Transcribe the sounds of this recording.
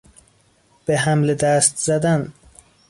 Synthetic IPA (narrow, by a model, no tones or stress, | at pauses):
b̥eɦæmled̪æst̪z̥æd̪æn